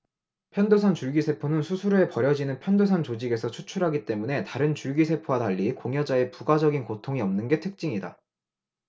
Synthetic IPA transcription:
pʰjʌndosʰant͡ɕuɭɡisʰe̞pʰonɯnsʰusʰuɾe̞pʌɾjʌd͡ʑinɯnpʰjʌndosʰant͡ɕod͡ʑiɡe̞sʰʌt͡ɕʰut͡ɕʰuɾɦaɡit͈e̞mune̞taɾɯnt͡ɕuɭɡisʰe̞pʰowadaʎːikoŋjʌd͡ʑae̞puɡad͡ʑʌɡinkotʰoŋiʌmnɯnɡe̞tʰɯk̚t͡ɕ͈iŋida̰

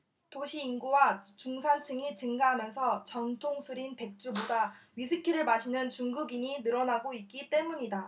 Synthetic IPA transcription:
toɕʰiːnɡuwat͡ɕuŋsʰant͡ɕʰɯŋit͡ɕɯŋɡaɦamjʌnsʰʌt͡ɕʌntʰoŋsʰuɾinpe̞k̚t͡ɕ͈ubodaɥis̬ʰɯkʰiɾɯɭmaɕʰinɯnt͡ɕuŋɡuɡiɲinɯɾʌnaɡoit̚k͈it͈e̞muɲida

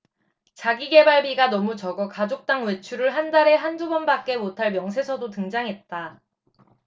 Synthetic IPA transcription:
t͡ɕaɡiɡe̞baɭbiɡanʌmut͡ɕʌɡʌkad͡ʑok̚t͈aŋwe̞t͡ɕʰuɾɯɭɦandaɾe̞ɦandubʌnbak͈̚e̞motʰaɭmjʌŋsʰe̞sʰʌdotɯŋd͡ʑaŋɦe̞t̚t͈a

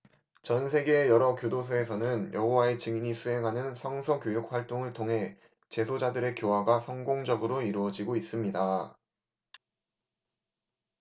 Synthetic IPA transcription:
t͡ɕʌnsʰe̞ɡe̞ːjʌɾʌkjodos̬ʰoe̞sʰʌnɯnjʌɦowae̞t͡ɕɯŋiɲisʰue̞ŋɦanɯnsʰʌŋsʰʌkjojuk̚ɸwaɭt͈oŋɯɭtʰoŋɦe̞ | t͡ɕe̞sʰod͡ʑadɯɾe̞kjowaɡasʰʌŋɡoŋd͡ʑʌɡɯɾoiɾuʌd͡ʑiɡois͈ɯmɲida

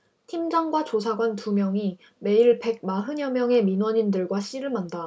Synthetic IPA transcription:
tʰimd͡ʑʌŋɡwat͡ɕosʰaɡwantumjʌŋi | me̞iɭpe̞ɡ̚maɦɯɲʌmjʌŋe̞minwʌɲindɯɭɡwaɕ͈iɾɯɭmanda

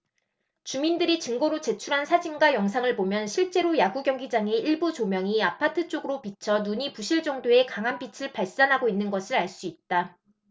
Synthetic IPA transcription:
t͡ɕumindɯɾit͡ɕɯŋɡoɾot͡ɕe̞t͡ɕʰuɾɦansʰad͡ʑinɡwajʌŋsʰaŋɯɭpomjʌnɕʰiɭt͡ɕ͈e̞ɾojaɡuɡjʌŋɡid͡ʑaŋe̞iɭbut͡ɕomjʌŋiapʰatʰɯt͡ɕ͈oɡɯɾopit͡ɕʰʌnuɲipuɕʰiɭd͡ʑʌŋdoe̞kaŋɦanpit͡ɕʰɯɭpaɭs͈anɦaɡoinːɯnɡʌsʰɯɾaɭs͈uit̚t͈a

